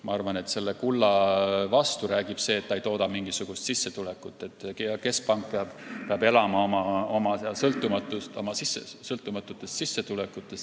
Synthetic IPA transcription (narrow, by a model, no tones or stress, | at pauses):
mɑ̰ɑrvɑne̞t̪se̞lːe̞kulːɑvɑst̪uɾæːɡ̥ib̥se̞ːt̪ːɑejt̪oːd̪ɑmiŋɡ̥isuɡ̥ust̪sisːe̞t̪ulekːˑut̪ːˑe̞t̪ːˑkeke̞spɑŋk̚peɑb̥peɑbe̞lɑmɑomɑo̞mɑsɑsɤlt̪ːˑumɑt̪ːˑust̪o̞mɑsisːesɤlt̪ˑːumɑt̪ːˑut̪ːˑest̪sisːe̞t̪ulekˑut̪ːˑe̞st